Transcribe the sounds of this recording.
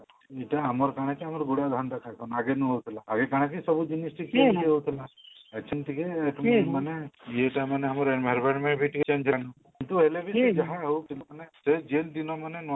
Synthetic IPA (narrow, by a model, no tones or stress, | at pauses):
eʈaːmɔɾkaɽ̃ekiamɔɾɡuɽad̪ʱaɳɖ̪akʰakʰɔnaɡenũɦowt̪ʰilaːɡekaɽ̃ekisɔbud͡ʒunisʈikeiɦowt̪ʰilaekt͡ʃʰinʈikeːʈmmanejeʈamaneɦamɔɾenbʱaɾbeɳmeɳʈbʱiʈiket͡ʃeɲd͡ʒʱanɔ | kint̪uelebʱied͡ʒaɦaɦowt̪ʰilamanesed͡ʒeld̪inɔmanenɔ